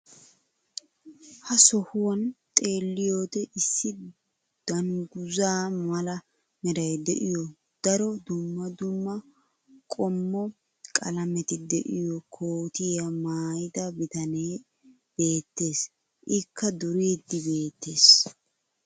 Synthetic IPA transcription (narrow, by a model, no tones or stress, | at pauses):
hɐsɔhʊwɐnt̪ʼe̞ːlːɪjo̞ːt̪ɛʔɪsːɪ | d̪̥ɐŋɡʊzaːmɐlɐ | mɛɾɐjd̪ɛ̰ʔɪjɔ | d̪̥ɐɾɔd̪ʊmːɐd̪ʊmːɐ | kʼɔmːɔ | kʼɐlɐmɛt̪ɪd̪ɛʔɪjɔkʰoːt̪ɪjɐmaːjɪd̪ɐbɪt̪ɐneː | b̥e̞ːt̪ːe̞ːs | ʔɪkːɐd̪ʊɾiːd̪ːɪbe̞ːt̪ːe̞ːs